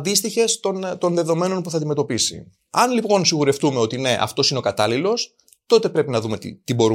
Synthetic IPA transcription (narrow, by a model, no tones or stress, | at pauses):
d̪ist̪içe̞st̪o̞nt̪o̞nðe̞ðo̞me̞no̞npuθɐnd̪ime̞t̪opisḭ | ɐnlipo̞nsiɣuɾe̞ft̪umeo̞t̪ine̞ʔɐ̰ft̪o̞sine̞o̞kɐt̪ɐlilo̞s | t̪o̞t̪e̞pɾe̞pinɐðume̞t̪it̪ibo̞ɾu